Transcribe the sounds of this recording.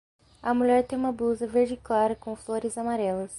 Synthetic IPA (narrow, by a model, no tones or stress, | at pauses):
ɐmuʎɛɾt̪ẽj̃ũmɐbluzɐveɾd͡ʒɪklaɾɐkõfloɾɪzamaɾɛlɐs